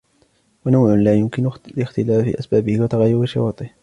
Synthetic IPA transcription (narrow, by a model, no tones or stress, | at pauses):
wanawʕʊnlaːjʊmkɪnʊlɪxt̪ɪlaːfḭːʔasbaːbɪhɪwat̪aɣajːʊɾiʃɪ̰wɑːt̪ˤɨh